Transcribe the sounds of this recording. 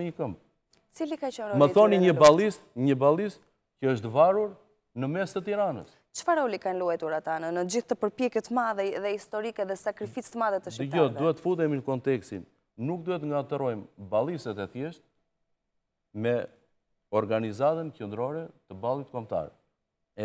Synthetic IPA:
ɲəkəmb | t͡silikat͡ʃənɾɔməθɔniɲəbalˠist̪ɲəbalˠist̪ | cəəʃt̪əvaɾuɾ | nəmɛst̪ət̪iɾanə̰s | t͡ʃə̥faɾaulikanluɛt̪uɾat̪anənəd͡ʑiθt̪əpəɾpjɛkɛt̪əmaðɛɛðɛist̪ɔɾikɛðɛsakɾifit͡st̪əmaðɛt̪əʃiəɔduhɛt̪ːəfud̪ɛminəkɔnt̪ɛkst̪inː | uk̚d̪uhɛt̪̬əŋɡat̪əɾɔjmbalˠisɛt̪ɛθjɛʃt̪̚ | mɛ | ɔɾɡanizat̪ənt͡ʃənd̪ɾɔɾɛt̪əbalˠit̪kɔmt̪a̰ɾ | ɛ

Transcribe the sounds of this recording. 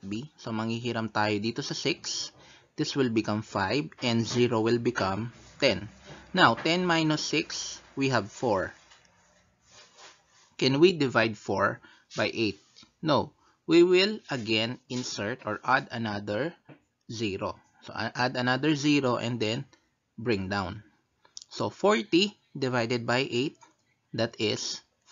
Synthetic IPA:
bisomɐŋhiɦiɾɐmt̪aːjod̪iːt̪osɐsɪks | d̪̥ɪswɪlbɪkɐ̃mfajvʔɛ̃nd̪ziɹowɪlbɪkɐ̃mt̪ɛ̃nːawt̪ɛ̃nmajnosːɪkswiɦɐvfɔɹ | kɛ̃nwid̪ɪvajd̪̚foɹ | bajʔejt̪̚now | wiwɪlɐɡɛ̃nɪ̃nsɛɹt̪ɔɹʔad̪ɐnad̪əɹ | ziɹo̰ | so̰ʔʔad̪ɐnad̪əɹziɾoʔɛ̰̃nd̪ɛn | bɹɪ̃ŋd̪ãwn | sofɔɹt̪i | d̪ɪvajd̪ɛd̪̚bajʔejt̪̚ | d̪at̪ɪs

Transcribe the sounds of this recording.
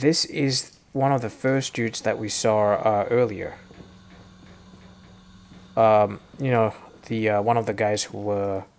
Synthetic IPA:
ðɪsɪz | wʌ̃nʌvðɨfɜ˞sdʉn̩tsðɨʔwisɔʌɜ˞lˠiə̰˞ | ʌ̃mjɨnoʊðɨʌwʌ̃ñʌvðɨɡaɪz̥huwə˞

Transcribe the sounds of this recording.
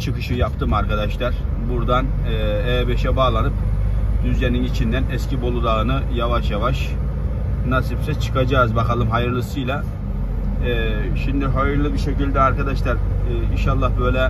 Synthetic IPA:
t͡ʃʰɯkɯʃɯjapt̪ʰɯmaɾkad̪aʃlˠaɾ̥ | buɾd̪an | ɛːbɛʃɛbaːlˠanɯp̚d̪̥yzjaninit͡ʃʰind̪ænɛscʰibo̞lˠud̪aɯnɯjavaʃjavaʃ | nasifsɛt͡ʃʰɯ̥kʰad͡ʒaːzbakalˠɯmɦajɯɾlˠɯsɯjlˠa | ʃimd̪iɦajɯɾlˠɯbiʃecilʲd̪ɛaɾkad̪aʃlˠaɾːinʃalˠːahbø̞jlʲɛ

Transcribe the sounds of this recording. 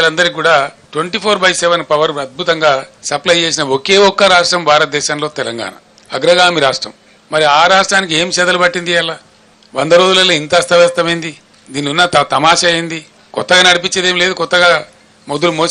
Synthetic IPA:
lɐnd̪ɐɾik̬uːɽaːʈweɳʈiːpʰoːɾbɐjsɛʋɐnpɐʋɐɾɐt̪̚bʱut̪ɐŋɡaːsɐplɐjt͡ʃe̞ːs̬inɐoke̞ːɔkːɐɾaːʂʈɾɐmbʱaːɾɐt̪̚d̪ɛːʃaːnlo̞ːt̪ɛlɐŋɡa̰ːnɐ̰ | ɐɡɾɐɡaːmiɾaːʂʈɾɐ̰m | mɐɾiaːɾaːʂʈɾaːnik̬ie̞ːmʃɛːd̪ɐlubɐʈːind̪iɐlːa | ʋɐnd̪ɐɾo̞ːd͡ʒulɐlːɐːint̪ɐst̪ʰɐʋɛːst̪ɐmɐjnd̪i | d̪iːnːiunːɐɐt̪ɐmaːʃaɐjind̪i | kɔt̪ːɐɡaːnɐɽipit͡ʃːed̪eːmile̞ːd̪ukɔt̪ːɐɡaː | mod̪ulumo̞ː

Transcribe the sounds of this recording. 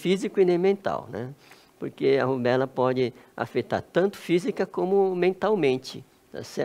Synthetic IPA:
fizikʊinẽj̃mẽnt̪a̰wnɛ̰ | poɾkeɐ̰hubɛlɐpɔd͡ʒɪa̰fet̪a̰ɾt̪ɐ̃nt̪ʊ̥fizikɐkõmʊmẽnt̪awmẽnt͡ʃɪ̰ | d̪a̰sɛ

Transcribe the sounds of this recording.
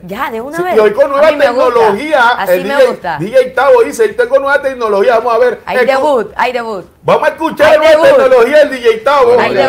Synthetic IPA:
iokonweβat̪eknolohiaeld̪ied̪ijejt̪aβoiset̪eŋɡonweβat̪ek̚nolohiaβamosaβeɾe | bamoseskut͡ʃaɾnweβat̪eknolohiaeld̪iʝejt̪aβo

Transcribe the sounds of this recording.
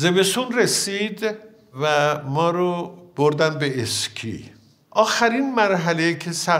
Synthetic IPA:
zebe̞sunresiːd̪ | væmɒːɾob̥oɾd̪ænd̪̚be̞eskʰḭ | ʔɒːxæɾinmæɾɦælejcʰesæ

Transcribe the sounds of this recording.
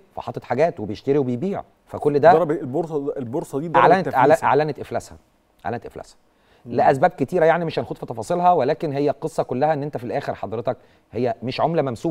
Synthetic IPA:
fæ̰ħɑt̪ˤːet̪ħaɡæːt̪webejeʃt̪eɾiwebejbiːʕ̰ | fækolːd̪æɾlboɾselboɾsˤɑd̪iːd̪ʕlænet̪ʔalæʔa̰ʕlænet̪ʔeflæshæ̰ | ʔa̰ʕlænet̪ʔḛflæ̰shæ̥ | leʔæsbæːb̚ket̪iːɾæjaʕnimeʃhænxod̪fit̪ɑfɑːsˤelhɑwelæːkenɦejːæqesˤːɑkolːæhæʔenːʔent̪æfilʔæːxeɾħɑd̪ɾet̪ɑk | hejːæmeʃʕomlæmæmsuː

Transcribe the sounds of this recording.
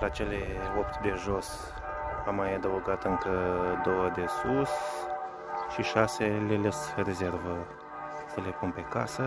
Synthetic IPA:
lat͡ʃe̞leo̞pt̪d̪e̞ʒo̞s | amːajad̪əuɡat̪ɨŋkəd̪o̞wəd̪e̞sus | ʃiʃaselelesre̞ze̞rvə | səle̞punpe̞ka̰sə

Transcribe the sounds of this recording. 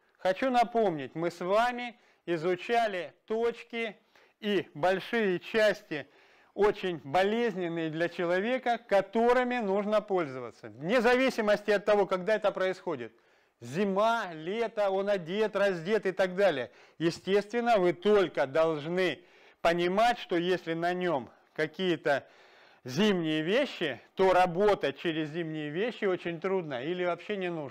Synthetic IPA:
xɐt͡ɕun̪ɐpo̞mnʲɪtʲmɨsvamʲɪ | ɪzʊt͡ɕalʲɪt̪ot͡ɕkʲɪ | ibɐlʲʂɨjɪt͡ɕæsʲtʲɪ | ot͡ɕɪnʲbɐlʲezʲnʲɪnːɨjɪd̪lʲɐt͡ɕɪlˠɐvʲe̞kəkɐt̪o̞ɾɨmʲɪnuʐnəpo̞lʲzəvə̰t̪sənʲɪzɐvʲisʲɪməsʲtʲɪɐt̪ːɐvo̞kɐɡd̪aɛt̪əpɾəɪsxo̞dʲɪt̪̚ | zʲɪmalʲet̪əo̞nɐdʲet̪rɐzʲdʲe̞t̪ɨt̪aɡd̪alʲɪjə | jɪsʲtʲest̪vʲɪnːəvɨt̪o̞lʲkəd̪ɐlˠʐnɨ | pənʲɪmatʲʂt̪o̞jesʲlʲɪnɐnʲo̞m | kɐkʲijət̪ə | zʲimnʲɪjəvʲeɕːɪt̪o̞ɾɐbot̪ət̚ʲt͡ɕeɾʲɪzʲzʲimnʲɪjəvʲeɕːɪo̞t͡ɕɪnʲt̪ɾud̪nəilʲɪvɐpɕːenʲɪnu

